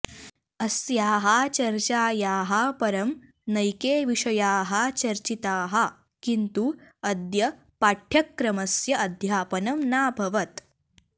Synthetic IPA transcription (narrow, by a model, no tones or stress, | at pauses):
ɐsjaːɦɐt͡ʃɐɾt͡ʃaːjaːɦɐpɐɾɐm | nɐjkeːʋiʂɐjaːɦɐt͡ʃɐɾt͡ʃit̪aːɦɐ̆ | kint̪uɐd̪jɐ | paːʈʰjɐkːɾɐmɐsjɐʔɐd̪ʱjaːpɐnɐmnaːbʱɐʋɐt̪